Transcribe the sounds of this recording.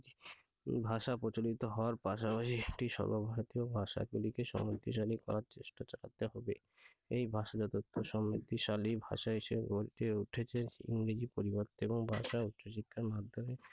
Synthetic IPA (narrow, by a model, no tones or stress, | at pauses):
i | bʱaʃapɾot͡ɕolit̪oɦɔoaɾpaʃ̬apaʃiek̚ʈiʃɔ̰bobʱaɾot̪iobʱaʃa̰ɡulikeʃɔ̰mɾit̪ːiʃalikɔ̰ɾaɾt͡ɕeʃʈat͡ɕala̰t̪eɦɔbe | ejbʱaʃad͡ʑɔt̪ot̪ʰːoʃɔmːit̪ːiʃalibʱa̰ʃaeʃebɡoɾiʈeuʈʰet͡ɕʰeḭŋɾed͡ʑipoɾiboɾt̪oeboŋbʱa̰ʃautːɕoʃikʰːaɾmad̪ʱːome